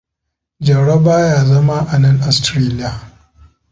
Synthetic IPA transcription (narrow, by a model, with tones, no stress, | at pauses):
d͡ʒɐ˨ɽɐ˦baː˦jaː˦zɐ˦ma˦ʔa˨nɐ˦ŋʔa˨stɾeː˦lɪ˦ja˨